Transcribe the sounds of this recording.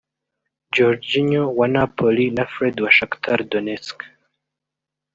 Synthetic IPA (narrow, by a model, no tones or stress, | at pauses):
d͡ʒɔɾd͡ʒiɲɔwanapʰɔlinafɾɛd̪waʃakt̪ʰaɾd̪ɔnɛt͡sk